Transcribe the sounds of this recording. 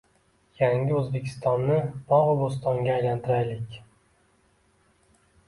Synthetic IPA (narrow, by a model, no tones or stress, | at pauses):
jaŋʲɪɵzbe̞kʲʰɪ̥st̪ɒnːɪb̥ɒʁʊbʊs̬t̪ɒŋɡʲaːjlant̪ʰɪɾajlɪkʲ